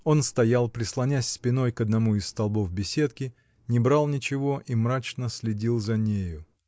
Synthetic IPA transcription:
o̞nst̪ɐjalˠpɾʲɪslˠɐnʲæsʲspʲɪno̞jkəd̪nɐmuɪsst̪ɐlˠbo̞fbʲɪsʲe̞t̪kʲɪ | nʲɪbɾalˠnʲɪt͡ɕɪvo̞ʔimɾat͡ɕnəsʲlʲɪdʲilˠzɐnʲejʊ

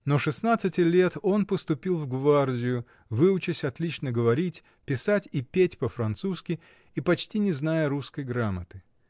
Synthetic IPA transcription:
noʂɨsnat̪sɨtʲɪlʲet̪o̞npəst̪ʊpʲilˠvɡvardʲɪjʊ | vɨʊt͡ɕɪsʲɐt̪lʲit͡ɕnəɡəvɐɾʲitʲ | pʲɪsatʲipʲetʲpəfɾɐnt̪suskʲɪ | ipɐt͡ɕtʲinʲɪznajəɾuskəjɡɾamət̪ɨ

